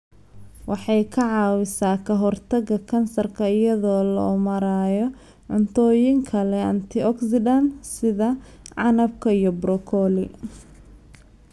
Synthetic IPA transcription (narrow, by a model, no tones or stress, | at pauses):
wʔɑħɑjkʰɐʕɑːwɪsaːkʰɐɦɔrt̪ʰɐɡɐkʰɐnsɐrkʰɐɪjɐðɔːlɐ̰ʔʊmɐɾaːjɔ | ʕʊnt̪ʰɔːjɪŋkʰɐlɛɐ̰nt̪ʰɪɔksɪd̪ɐnsɪðɐ | ʕɑnɐb̚kʰɐijɔbɾɔkʰɔːlɪ